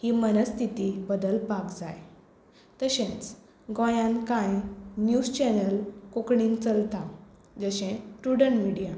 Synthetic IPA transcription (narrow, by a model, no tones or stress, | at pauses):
himənəst̪ʰit̪ibəd̪əlpakd͡za̰j | t̪əɕẽt͡s | ɡõjãnkãjnjud͡zt͡ɕɛnəlkokɳint͡səlt̪ã | d͡zəɕẽʈuɽəɳmiɽija